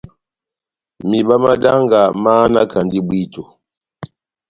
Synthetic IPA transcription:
mi˨ɓa˦ma˦da˦ŋɡa˨maː˦na˦ka˨ndi˦bwi˦to˨

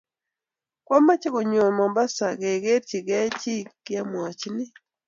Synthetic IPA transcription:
kwɔ˦ma˦t͡ʃe˦ko˨ɲo˨mɔ˨mba˦sa˨ɡe˨ɡe˦ɾt͡ʃi˨ɡɛ˦t͡ʃi˦i˦a˦mwa˨t͡ʃnɪ˦

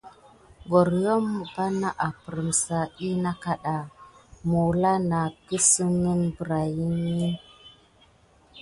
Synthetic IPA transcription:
ɡo˨ɾjo˦mːu˨pa˦na˦ʔa˨pə˨ɾə˨msa˨i˦na˦ka˨ɗa˨mu˨la˦na˨ki˦su˦ŋi˦nbə˨ɾa˨ji˦ni˦

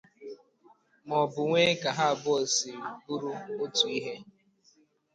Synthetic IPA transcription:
mɔ˨bʊ˨ŋʷe˦ka˨ɦa˦˨bʊ˦o˨si˨bu˦ɾu˦o˦tu˨i˦ɦe˦

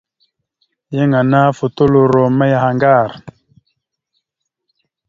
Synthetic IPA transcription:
je˦ŋa˨na˦fu˨t̪u˦lo˨ɾo˨ma˦ja˨ha˨ŋɡa˦˨ɾ

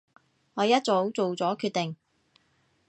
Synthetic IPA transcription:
ŋɔː˨˧jɐ˥t̚t͡so˨˥wt͡so˨wt͡sɔː˨˥kʰyː˥˧t̪e˨ŋ

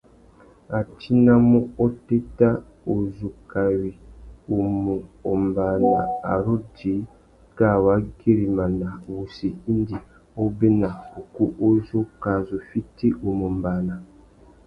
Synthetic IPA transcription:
a˨t͡ʃi˦na˦mu˦o˦te˦ta˦ | o˨zu˨ka˨wi˨o˨mu˨o˨mba˨na̰˨a̰˨ɾo˦di˨˦ | ɡa˦˨wa˨˦ɡe˦ɾi˨ma˨na˨wu˨si˨i˦n˦di˨ | o˦be˦na˨o˨ku˦ʔo˦zo˦ka˨zo˨fi˦ti˦ʔo˨mo˨mba˨na˨

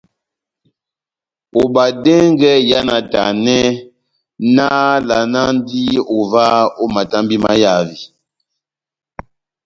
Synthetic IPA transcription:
o˨ba˨dɛ˦ŋ˦ɡɛ˦ja˦na˨ta̰˨nɛ˦ | na˦la˨na˦n˦di˦o˨va˦o˦ma˨ta˦mbi˦ma̰˦ja˦˨vi˨

